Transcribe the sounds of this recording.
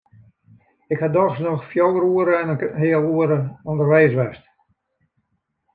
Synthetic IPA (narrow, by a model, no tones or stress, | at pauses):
ɪkhadɔxsnɔxfjowəɾuəɾəɛnəɦɪəlˠuəɾəɔndərʋɛːsʋɛst